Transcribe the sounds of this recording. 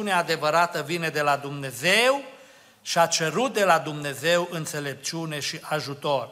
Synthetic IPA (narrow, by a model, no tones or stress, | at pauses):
unead̪e̞vəɾat̪əvine̞d̪e̞lad̪umne̞ze̞w | ʃiat͡ʃe̞ɾut̪̚d̪e̞lad̪umne̞ze̞wʔɨnt̪se̞le̞p̚t͡ʃune̞ʃiʔaʒut̪o̞r